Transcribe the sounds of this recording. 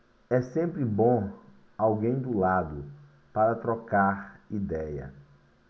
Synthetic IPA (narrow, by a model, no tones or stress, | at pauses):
ɛsẽmpɾɪbõ | awɡẽj̃d̪ʊlad̪ʊ | paɾɐt̪ɾɔkaɾid̪ɛjɐ̰